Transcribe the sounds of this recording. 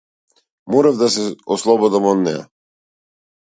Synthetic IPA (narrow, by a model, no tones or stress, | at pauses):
mɔɾavd̪as̬ɛɔslˠɔbɔd̪amɔd̪nɛ̰ja̰